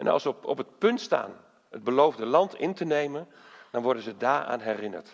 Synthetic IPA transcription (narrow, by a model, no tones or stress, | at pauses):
ʔɛnɑ̰lˠsəɔpət̚pɵntsta̰ːn | əd̚bəlowvdəlɑntʰɪntənejmən | dɔnʋɔrdənzədaːra̰ːnɦɛrɪnə̰rt